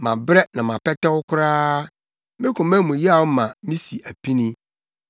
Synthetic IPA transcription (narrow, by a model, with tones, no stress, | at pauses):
mã˨bɾɛ˦nã˨mã˨pɛ˦tɛ˦wʊ˦kʰʊ˦ɾaː˦ | mɪ̃˦kʰʊ̃˨mɛ̃˦mũ˨ji˦a˨wʊ˦mã˨mĩ˦si˨ʔæ˨pʰi˦nĩ˦